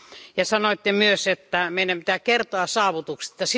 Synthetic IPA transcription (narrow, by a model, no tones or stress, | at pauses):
jɑsɑnoit̪ːemyøset̪ːæmeinːæmpi̥t̪ækkert̪oɑsɑːʋut̪ukset̪ːɑs